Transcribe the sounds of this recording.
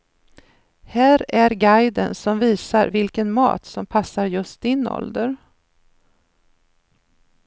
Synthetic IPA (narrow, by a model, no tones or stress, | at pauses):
hæːɾæɾɡajd̪ənsɔmviːsaɾvɪlkənmɑ̰ːt̪sɔmpʰasːaɾjɵst̪̚d̪ɪnɔ̰ld̪əɾ